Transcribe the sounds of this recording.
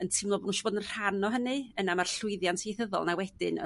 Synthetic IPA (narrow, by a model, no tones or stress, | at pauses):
əntʰɪmlˠɔbnunʃɔboːdənr̥anɔɦənɨənamarɬʊɨðjantʰejθəðɔ̰lˠnawɛdɪnə̰